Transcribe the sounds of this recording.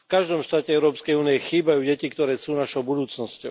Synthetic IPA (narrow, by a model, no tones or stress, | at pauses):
fkaʒd̪ɔmʃt̪aːcɛɛʊɾɔːpskɛjuːnijɛxiːbajuːɟɛcikt̪ɔɾɛːsuːnaʃɔʊbud̪uːt͡snɔscɔʊ